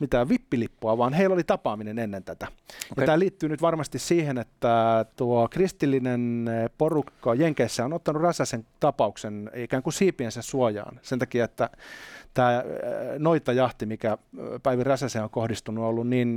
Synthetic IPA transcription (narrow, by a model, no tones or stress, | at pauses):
mit̪æːʋʋipːilipːoɑʋɑːnheilːolit̪ɑpɑːminenenːent̪æt̪æjɑæːliːt̪ːyːnyt̪ʋɑrmɑst̪issiːhenet̪ːæt̪uokrist̪ilːinenporukːɑjeŋkeisːæonot̪ːɑnurræsæseŋt̪ɑpɑuksenikæːŋkusiːpiensæssuojɑ̰ːnsent̪ɑkiɑet̪ːæt̪æːnoit̪ɑjɑht̪imikæpæiʋiræsæseːoŋkohdist̪unuolːunniːn